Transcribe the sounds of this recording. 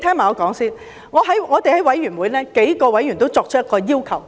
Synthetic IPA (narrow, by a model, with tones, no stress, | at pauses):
t̪ʰɛː˥ŋmaː˨˩ŋɔː˨˧kɔː˨˥ŋsiː˥n | ŋɔː˨˧ɦɐ˨˥jŋɔː˨˧t̪e˨jhɐ˨˥jwɐ˨˥jɥyː˨˩nwuː˨˧jlɛː˥ke˨˥jkɔː˧wɐ˨˥jy˨˩nt̪o˥wt͡sɔː˧k̚t͡ʃ̚ʰjɛ˥kɔː˧jiː˥wkʰɐ˨˩w